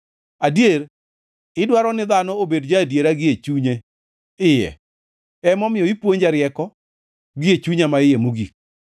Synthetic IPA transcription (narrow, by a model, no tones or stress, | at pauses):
adjeɾ | ɪdwaɾɔnɪðanɔobedd͡ʒaːdjeɾaɡɪet͡ʃuɲe | ɪjɛ̰ | ɛmɔmɪjɔipwoɲd͡ʒaɾjɛkɔ | ɡɪet͡ʃuɲamaɪjemoɡik̚